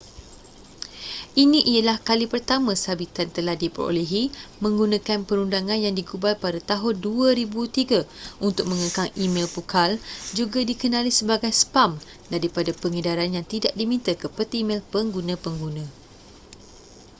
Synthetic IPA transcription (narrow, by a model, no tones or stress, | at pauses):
ʔiniʔialahkalipərt̪amãsabit̪ant̪əlahdipəɾo̰leɦimə̃ŋɡunãkanpəɾundaŋãnjaŋdiɡubalpadat̪aɦʊnduaɾibut̪iɡaunt̪ʊk̚mə̃ŋəkaŋimɛ̃lpukʰald͡ʒuɡadikənãlisəbaɡajspam | daɾipadapəŋədaɾanjaŋt̪idaʔdimĩnt̪əkəpət̪imɛ̃lpəŋɡunãpəŋɡunã